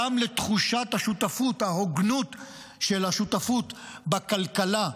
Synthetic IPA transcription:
amlet̪χuʃat̪haʃut̪afuthaɦoɡnut̪ | ʃelhaʃutafut̪ | bakalkala

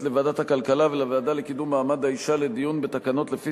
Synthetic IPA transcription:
le̞vaːdat̪hakalkalavelaveːdalekid̪umːaːmad̪haiʃale̞d̪ijunbe̞t̪akano̞t̪lefi

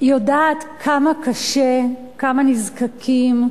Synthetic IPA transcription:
jodaːtkʰamakaʃe | kamanizkakʰim

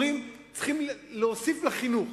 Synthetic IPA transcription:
im | t͡sχimleosiflaχinuχ

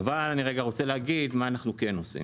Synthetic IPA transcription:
valaniʁeɡaʁot͡seleaɡid̪maːnaχnukenosḭ

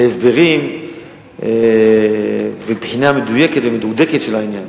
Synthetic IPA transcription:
eesbe̞ʁim | e | vebħinamed̪ujeket̪vemed̪ud̪eket̪ʃelainjan

